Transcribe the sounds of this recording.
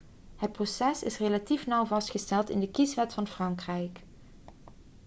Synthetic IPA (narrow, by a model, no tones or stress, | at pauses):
ɦət̚prosɛsɪsrelatifnʌwvɑstχəstɛlˠtɪndəkisʋɛtfɑnfrɑŋkrɛjk